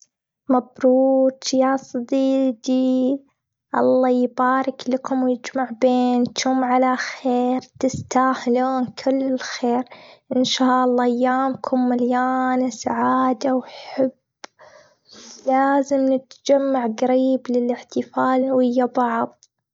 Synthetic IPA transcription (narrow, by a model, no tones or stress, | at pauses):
mabɾuːt̪jaːsˤɑd̪iːd̪i | ʔɑ̰lˤːɑːjbaːɾɪklakʊmwjɪd͡ʒmaʕbeːnt̪ʊmʕalaxeːɾt̪ɪst̪aːħloːnkʰɪlːɪlxeːɾʔɪnʃaːʔɑlˤːɑːʔajːaːmkʰʊmːaljaːnasaʕaːd̪awħabː | laːzɪmnɪt̪d͡ʒamːaʕɣaɾiːblɪlɪħt̪ɪfaːlwɪjːabɑʕðˤ